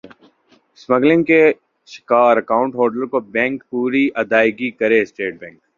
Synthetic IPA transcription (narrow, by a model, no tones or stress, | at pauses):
smɐɡlɪ̃ŋke | ʃɪ̥kaːɾɐkãːʊ̃ɳʈɦoːɾʈəlkobɛ̃ːŋkpuːɾiʔɐd̪aːjɪɡikɐɾesʈeːʈ̚bɛ̃ːŋk